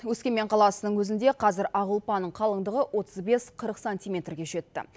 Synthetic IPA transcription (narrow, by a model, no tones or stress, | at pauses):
wɵskʲe̞me̞ɴqʰɑlˠɑsənəɴwɵzɪnd̪e̞qʰɑzɪɾɑʁəlˠpɑnəɴqʰɑlˠəɴd̪əʁəwo̞t̪ʰəzbe̞sqʰəɾəqsanʲt̪ʲijmʲe̞t̪rɡʲe̞ʒe̞t̪ːɪ̰